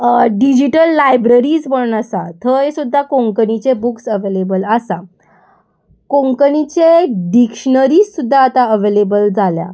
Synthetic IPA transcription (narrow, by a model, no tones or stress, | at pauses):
ɖid͡ʑiʈəlːajbɾəɾiːd͡zbəɭunasat̪ʰəɦesud̪ʱːakõŋkənit͡ɕebuksəʋelebələsa | kõŋkənit͡ɕeɖikʂɳəɾiːssud̪ʱːaːt̪aəʋelebəld͡zalja̰